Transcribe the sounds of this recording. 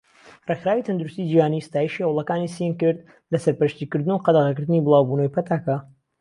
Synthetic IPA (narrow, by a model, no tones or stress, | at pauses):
rexɾaːwit̪ʰɐnd̪uɾust̪id͡ʒihaːnist̪aːjiʃihɐwlˠɐkaːnisienkɨɾd̪ | lɐsɐɾpɐɾʃt̪ikɨɾd̪ɨnuqɑd̪ɐʁɐkɨɾd̪ɨnibɨlˠaːwbuːnojpʰɐt̪ʰaːka